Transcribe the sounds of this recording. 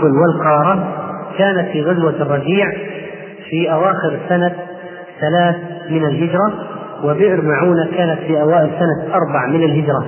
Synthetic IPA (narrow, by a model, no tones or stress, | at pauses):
lwɪlqɑːɾˤɑkaːnat̪fiːɣazwarˤːɑbiːʕ | fiʔawaːxɪɾsana | θalaːθmɪnalɦɪd͡ʒɾˤɑwɪbɪʔɪɾmaʕuːnakaːnat̪fiːʔawaːʔɪlsanaʔɑɾˤbaʕmɪnɪlɦɪd͡ʒɾˤɑ